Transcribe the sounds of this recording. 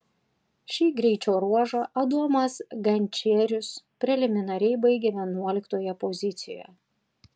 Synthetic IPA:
ʃʲiːɡɾʲɛɪt͡ʃʲoːɾuɔʒɐʔɐd̪uɔmɐsɡɐnʲt͡ʃʲeːɾʲʊspʲɾʲɛlʲɪmʲɪnɐɾʲɛɪbɐɪɡʲeːʋʲiɛnuɔlʲɪkt̪oːjɛpɔzʲɪt̪sʲɪ̰jo̰jɛ̰

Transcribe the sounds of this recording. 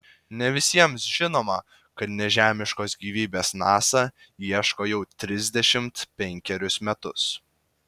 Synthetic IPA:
nʲɛʋʲɪsʲiɛmsʒʲɪnoːmɐ | kɐt̪nʲɛʒʲæːmʲɪʃkoːsɡʲiːʋʲiːbʲeːsnɑːsɑ | iɛʃkoːjɛʊt̪ʲɾʲɪzʲd̪ʲɛʃʲɪmt̪pʲɛŋʲkʲɛɾʲʊsmʲɛt̪ʊs

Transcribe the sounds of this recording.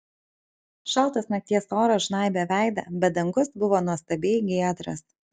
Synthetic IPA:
ʃɐlˠˑt̪ɐsnɐk̚t̪ʲiɛsoːɾɐʒnɑˑɪbʲɛʋʲæˑɪd̪ɐ̰bʲɛt̪̚d̪ɐŋɡʊsbʊʋoːnuɔst̪ɐbʲeːɡʲiːd̪ɾɐ̰s

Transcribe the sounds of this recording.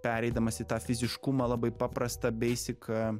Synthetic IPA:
pʲæːɾʲɛɪd̪ɐmɐsʲɪt̪ɑːfʲɪzʲɪʃkumɐlˠɑbɐɪpɑːpɾɐst̪ɐbʲɛɪsʲɪkɐ

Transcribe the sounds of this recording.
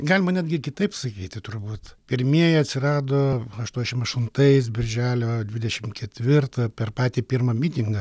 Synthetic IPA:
ɡɐlʲɪmɐnʲɛd̪ʲɡʲɪkʲɪt̪ɐɪpsɐkʲiːt̪ʲɪt̪ʊrbuːt̪pʲɪɾʲmʲiɛjɛɐt̪ʲsʲɪɾɑːd̪oːɐʃt̪uɔnʲd̪ʲɛʃʲɪmɐʃt̪ʊnt̪ɐɪs̬bʲɪɾʲʒʲæːlʲoːd̪ʲʋʲɪd̪ʲɛʃʲɪmkʲɛt̪ʲʋʲɪrt̪ɐpʲɛrpɑːt̪ʲiːpʲiːɾmɐmʲiːt̪ʲɪŋɡɐ

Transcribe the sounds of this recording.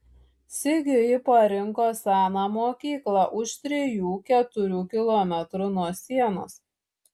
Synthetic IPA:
sʲɪɡʲʊjɪpɐɾʲɪŋkoːsʲæːnɑːmoːkʲiːklˠɑːˑʔʊʃt̪ʲɾʲɪjuːkʲɛt̪ʊɾʲuːkʲɪlˠɔːmʲɛt̪ɾʊnuɔsʲiɛno̰ːs

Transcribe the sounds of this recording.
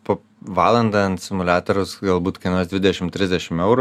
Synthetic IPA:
poː | ʋɑːlˠɐnd̪ɑɐnsʲɪmʊlʲæːt̪oɾʊsɡɐlˠbuːt̪kɐɪnoɔsd̪ʋʲɪd̪ʲɛʃʲɪmt̪ʲɾʲɪzʲd̪ʲɛʃʲɪmɛʊɾ

